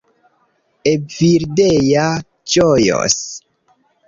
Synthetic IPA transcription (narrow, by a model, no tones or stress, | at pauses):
ebviɾdeja | t͡ʃojo̰s